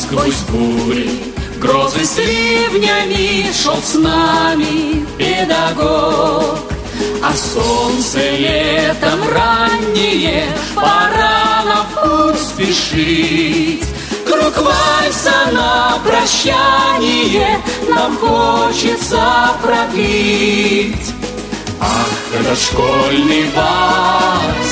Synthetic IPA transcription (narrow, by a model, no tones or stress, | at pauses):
skvozʲɡuɾʲi | ɡɾozɨsʲɾʲevnʲamʲiʂolˠsnamʲɪpʲɪd̪ɐɡok | ɐsont̪sɨlʲɛt̪əmranʲːɪjɛ | pɐɾanɐuspʲɪʂɨtʲ | kɾukvaj̪sənɐpɾɐɕːanʲɪjɛnamxot͡ɕɪt̪səpɾɐpʲi | tʲ | a | d̪ɐʂkolʲnɨjd̪a